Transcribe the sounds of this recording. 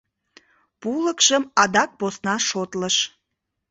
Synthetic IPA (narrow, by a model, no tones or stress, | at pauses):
puləkʃəmɑd̪ɑk̚posnɑʃot̪ləʃ